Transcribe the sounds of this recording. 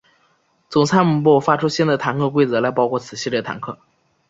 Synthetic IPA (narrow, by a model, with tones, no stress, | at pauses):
t͡sʊ˨˩ŋt͡sʰa˥nmu˨˩pwɔ˥˩fa˥ʈ͡ʂʰu˥ɕjɛ˥nd̪ə˧˩t̪ʰa˧˥nkʰɤ˥˧k̬we˥ɪt͡sɤ˧˥la˧˥ɪpɑ˥ʊkʰwɔ˥˩t͡sʰɹ̩˨˩ɕi˥˧lɛ˥˩t̪ʰa̰˧˥nkʰɤ˥˩